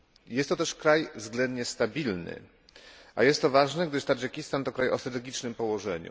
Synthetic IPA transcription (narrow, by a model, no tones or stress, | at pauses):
jɛst̪ːɔt̪ɛʂkɾajvzɡlɛnd̪ɲɛst̪abʲilnɘ̰ | ʔa̰jɛst̪ːɔvaʐnɛɡ̚d̪ɘʂt̪ad͡ʐɛkʲist̪ant̪ɔkɾajɔsɾat̪ɛɡʲit͡ʂnɘmpɔwɔʐɛɲṵ